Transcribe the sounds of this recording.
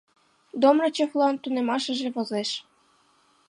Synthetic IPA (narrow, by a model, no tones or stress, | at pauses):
d̪omrɤ̆t͡ɕɤflˠɑnt̪unemɑʃə̆ʒĕβozeʃ